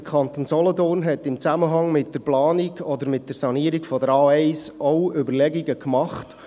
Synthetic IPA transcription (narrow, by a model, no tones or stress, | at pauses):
əkʰɑnt̪oːnsɔlɔtoːnɦɛtɪmt͡sæməɦɑŋmɪt̚d̥əɾplɑːniɡɔd̪əɾmɪt̚d̥əɾsɑniəɾiɡfɔd̪əɾɑːɛɪsɔʊʏbərlɛɡiɡəkmɑχt